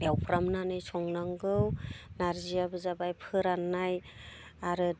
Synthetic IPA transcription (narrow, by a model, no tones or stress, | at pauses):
bawpʰɾamnanɯjsɔŋnaŋɡɯwnaɾzijabɯzabajpʰɯɾanːaj | aɾɯ